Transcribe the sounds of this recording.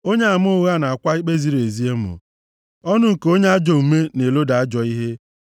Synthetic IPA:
o˦ɲe˦a˨mʊ˦ʊ˦ɣa˦˨na˨a˨kʷa˦i˦k͡pe˦zi˦ɾe˨zi˦e˦mʊ̰˨ | ɔ˦nʊ˦ŋ̩˨ko˦ɲe˦a˦d͡ʒɔ˨m̩˨me˦ne˨lo˦da˨a˦d͡ʒɔ˨i˦ɦe˦

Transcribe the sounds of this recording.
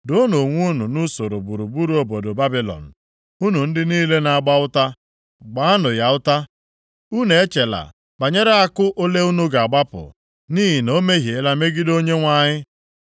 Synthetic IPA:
dʊ˨˦no˨ŋʷu˦nu˨nu˦so˨ɾo˨bu˨ɾu˨bu˦ɾu˨˦o˨bo˨do˨ba˦bi˦lɔ̰˨n̩˨ | u˦nu˨n̩˦dɪ˦niː˦le˦na˨a˨ɡ͡ba˦ʊ˦ta˦ | ɡ͡ba˦a˦nʊ˨ja˨ʊ˦ta˦ | u˦ne˨e˦t͡ʃe˨la̰˨ | ba˨ɲe˦ɾe˦a˦kʊ˦ʔo˦le˦u˦nu˦ɡa˨a˨ɡ͡ba˦pʊ̰˨ | niː˦ɦi˨no˦me˦ɦje˨˦la˦me˦ɡɪ˦do˦ɲe˦ŋʷa˦˨ɲɪ˦

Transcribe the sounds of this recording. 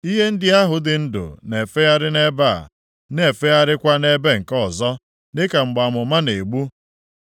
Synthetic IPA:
i˦ɦe˦n̩˦dɪ˦a˦ɦʊ˨dɪ˨n̩˦dʊ̰˨ne˨fe˦a˦ɾɪ˦ne˦ba̰˦˨ | ne˨fe˦a˦ɾɪ˦kʷa˦ne˦be˦ŋ̩˨kɔ˦˨zɔ˦ | nɪ˦ka˨ŋ͡m̩˨ɡ͡ba˨mʊ˨ma˦ne˨ɡ͡bu˦

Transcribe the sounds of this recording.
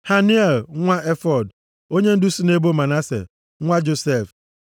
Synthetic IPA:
ha˦ni˦e˨lŋʷa˦e˦fɔ˨d | o˦ɲe˦n̩˦du˦si˦ne˦bo˦ma˨na˦sḛ˨ | ŋʷa˦d͡ʒo˨se˦˨f

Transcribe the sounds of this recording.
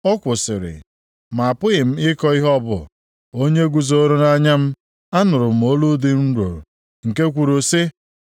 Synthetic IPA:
ɔ˦kʷʊ˨sɪ˨ɾɪ̰˨ | ma˨a˨pʊ˦ɣɪ˨m̩˦ɪ˦kɔ˦i˦ɦɔ˦bʊ̰˨ | o˦ɲe˦ɡʷu˨zo˦ɾo˦na˦ɲa˦m̩˦ | a˦nʊ˨ɾʊ˨m̩˨o˦lu˦di˦n̩˦ɾo̰˨ɾ | ŋ̩˨ke˦kʷu˨ɾo˨si˦

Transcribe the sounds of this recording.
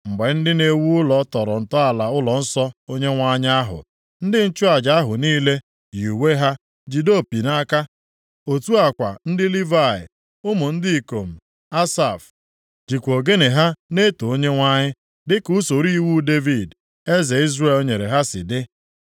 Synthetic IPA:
m̩˨ɡ͡be˨n̩˦dɪ˦ne˦wu˦ʊ˦lɔ˨tɔ˨ɾɔ̰˨n̩˨tɔ˦a˨la˨ʊ˦lɔ˨n̩˦sɔ˦o˦ɲe˦ŋʷa˦ɲɪ˦a˦ɦʊ̰˨ | n̩˦dɪ˦n̩˦t͡ʃʊ˦a˨d͡ʒa˨a˦ɦʊ˨niː˦le˦ | ju˨we˦ɦa˦ | d͡ʒi˨do˦˨pi˨na˦ka˦ | o˨tu˦a˨kʷa̰˨n̩˦dɪ˦li˦va˦˨ɪ̰˨ | ʊ˦mʊ˨n̩˦di˦˨ko˨m̩˨ | a˦sa˨f | d͡ʒi˨kʷo˨ɡe˦ne˨ɦa˦ne˦to˨o˦ɲe˦ŋʷa˦ɲɪ˦ | dɪ˦ku˦so˨ɾi˦˨wu˦de˦vi˦˨d | e˦ze˨i˦zre˦˨lo˦ɲe˨ɾe˨ɦa˦sɪ̰˨dɪ˦

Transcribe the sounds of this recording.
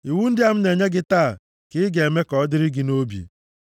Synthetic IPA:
i˨wu˦n̩˦dɪ˦a˨m̩˦ne˨ɲe˦ɡɪ˦taː˦˨ | kɪ˦ɡe˨me˦kɔ˨ɔ˦dɪ˦ɾɪ˦ɡɪ˨no˦bjḭ˨

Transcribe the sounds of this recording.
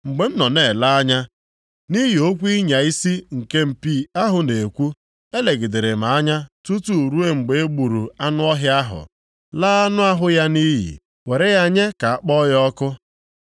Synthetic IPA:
ŋ͡m̩˨ɡ͡be˨m̩˦nɔ˨ne˨la˦a˦ɲa˦ | ni˦ɦi˨o˦kʷi˦ɲa˨i˦si˦ŋ̩˨ke˦m̩˨pi˦˨a˦ɦʊ˨ne˨kʷu˦ | e˦le˨ɡɪ˨de˨ɾe˨m̩a˨a˦ɲa˦tu˦tu˦˨ɾu˦e˦ŋ͡m̩˨ɡ͡be˨e˦ɡ͡bu˨ɾu˨a˦nʊ˦ɔ˦ɦa˦ɦʊ̰˨ | laː˦a˦nʊ˦a˦ɦʊ˦ja˦ni˦ɦḭ˨ | we˨ɾe˦ja˦ɲe˦ka˨a˦˨k͡pɔ˦jɔ˦kʊ˦

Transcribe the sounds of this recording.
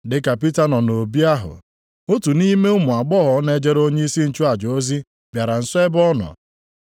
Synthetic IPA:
dɪ˦ka˨pi˦ta˦nɔ˨no˨bi˦a˦ɦʊ̰˨ | o˦tu˨ni˦me˦ʊ˦mʊ˨a˨ɡ͡bɔ˦ɦɔ˨˦ne˦d͡ʒe˦ɾo˦ɲe˦i˦si˦n̩˨t͡ʃu˦a˨d͡ʒo˦zi˦ | bja˨ɾa˨n̩˨sʊ˦e˦bɔ˦nɔ̰˨

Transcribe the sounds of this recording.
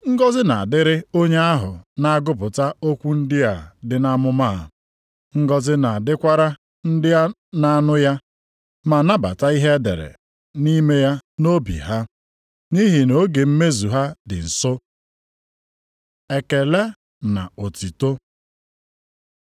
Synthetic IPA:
ŋ̩˦ɡɔ˦zɪ˦na˨a˨dɪ˦ɾɪ˦o˦ɲe˦a˦ɦʊ̰˨na˦a˦ɡʊ˦p̬ʊ˨ta˦o˦kʷu˦n̩˦dɪ˦a˨dɪ˨na˦mʊ˦ma˦˨ | ŋ̩˦ɡɔ˦zɪ˦na˨dɪ˦kʷa˦ɾa˦ | n̩˦dɪ˦ja˦ | na˦nʊ˦ja˦ | ma˨na˦ba̰˨ta˦i˦ɦe˦dḛ˨ɾḛ˨ | ni˦me˦ja˦no˦bḭ˨ɦa˦ | ni˦ɦi˨no˨˦ɡe˨m̩˦me˦zu˨ɦa˦dɪ̰˨n̩˨sɔ˦ | e˨ke˨le˦ | na̰˨o˨ti˨to˦

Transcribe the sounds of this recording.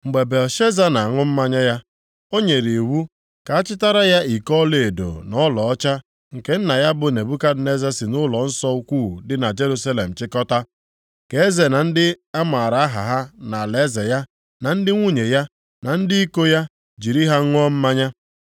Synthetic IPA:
ŋ͡m̩˨ɡ͡be˨be˨ʃe˦za˦na˨a˨ŋʊ˦m̩˦ma˦ɲa˦ja˦ | o˦ɲe˨ɾe˨e˨wu˦ | ka˨a˦t͡ʃɪ˦ta˦ɾa˦ja˦i˨kɔ˦le˨e˨do̰˨nɔ˦lɔ˨ɔ˦t͡ʃa˦ | ŋ̩˨ke˦n̩˦na˨ja˦bʊ˨ne˨bu˦ka˦dne˦za˦sɪ˨nʊ˦lɔ˨n̩˦sɔ˦u˦kʷu˦˨dɪ˦na˨d͡ʒe˦ɾu˦sa˦le˨m̩˨t͡ʃɪ˦kɔ˦ta˦ | ke˨˦e˦ze˨na˨n̩˦dɪ˦a˦ma˨ɾa˨a˦ɦa̰˨ɦa˦na˨le˨˦ze˨ja˦ | na˨n̩˦dɪ˦ŋʷu˦ɲe˨ja˦ | na˨n̩˦dɪ˦i˦ko˦ja˦ | d͡ʒi˨ɾi˦ɦa˦ŋʷ˦ɔ˦m̩˦ma˦ɲa˦

